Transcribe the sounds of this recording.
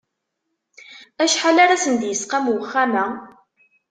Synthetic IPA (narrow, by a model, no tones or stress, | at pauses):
æʃħalaɾasənd̪jəsqamwəχːamæ